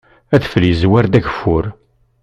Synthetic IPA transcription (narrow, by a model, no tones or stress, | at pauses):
æθfəljzwæɾd̪æçfʊɾ